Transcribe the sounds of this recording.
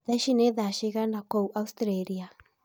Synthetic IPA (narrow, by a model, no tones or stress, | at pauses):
ðɛʃinɛðaʃiɣanakouʔaustɾeɾia